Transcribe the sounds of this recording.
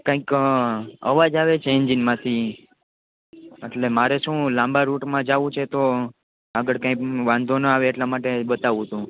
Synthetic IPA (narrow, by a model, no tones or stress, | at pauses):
kãĩk | ə̰ʋad͡ʒaʋet͡ʃʰeɲd͡ʒinmãt̪ʰi | eʈlemaɾeʃũlãmbaɾuʈmãd͡ʒaʋũt͡ʃʰet̪o | aɡəɽkãĩkʋãnd̪ʱonəaʋeːʈlamaʈeɓət̪aʋũt̪ũ